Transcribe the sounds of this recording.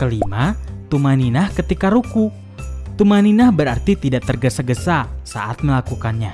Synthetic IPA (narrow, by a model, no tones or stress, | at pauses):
kəlimat̪umaninahkət̪ikaɾuku | t̪umaninahbəɾart̪it̪idaʔt̪ərɡəsaɡəsasa̰ʔat̪̚məlakukanɲa